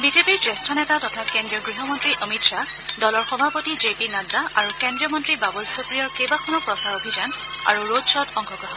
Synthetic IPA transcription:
bizepiɹdestʰɔnɛtatɔtʰakendɹijɔɡɹiɦɔmɔntɹiʔəmitsadɔlɔɹxɔbʱapotid͡ʒepinadaaɹukendɹiɔmɔntɹibabɔlsɔkɹijɔɹkejbakʰɔnɔpɹɔsaɹobʱizan | a̰ɹuɹodsɔdɔŋkʰɔɡɹɔɦɔn

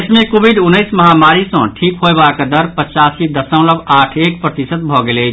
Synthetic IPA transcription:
smekobʱiɖunːəɪsməɦamaɾisə̃ʈʰikɦoebakd̪əɾpət͡ʃasid̪əsə̃ʊ̃ləbaʈʰekpɾət̪isət̪̚bʱɔɡelet͡ʃ

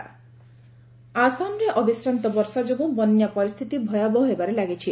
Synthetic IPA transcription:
asanɔɾeʔɔbisɾant̪ɔbɔɾsad͡ʒoɡũbɔnjapɔɾist̪ʰit̪ibʱɔjabɔɦebaɾelaɡit͡ʃʰi

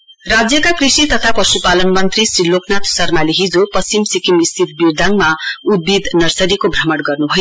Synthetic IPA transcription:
rad͡zjʌkakrisit̪ʌt̪ʰapʌsupalʌnmʌnt̪risriloknat̪sʌrmaliɦid͡zopʌsimsikimist̪ʰit̪biɾd̪ʱaŋmaud̪̚bid̪nʌrsʌɾikobʱrʌmʌɽɡʌrnubʱʌjo

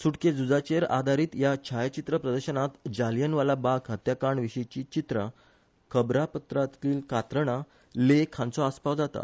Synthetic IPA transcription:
suʈked͡zud͡zat͡ɕeɾa̰d̪ʱaɾiːt̪jat͡ɕʰajt͡ɕit̪ɾəpɾəd̪əɾɕənat̪d͡ʑaljənʋalabakɦət̪jakaɳʋiɕəjt͡ɕiːt͡ɕit̪ɾə̰ | kʰəbɾapət̪ɾat̪liːlkat̪ɾəɽ̃a | lekʰãnt͡sɔaspawd͡zat̪a̰

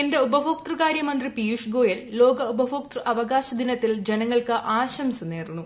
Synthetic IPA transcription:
ende̞ubɐʋʱok̚t̪rɨɣaːɾjɐmɐnd̪ripijuʂɡo̞ːjɐllo̞ːɡɐubɐʋʱoːk̚t̪rɨʔɐʋɐɡaːɕɐd̪inɐt̪ːild͡ʑenɐŋːɐɭkɨʔaːɕɐmsɐneːrnːu

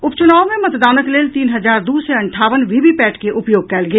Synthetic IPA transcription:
ʊpt͡ʃʊnaːʋomẽmɐt̪d̪aːnəkleːlt̪iːnɦɐzaːɾd̪uːseɐ̃ɳʈʰaːʋənʋiːbipɛːʈkeʔʊpjoːɡ̚kɛːlɡɐeː

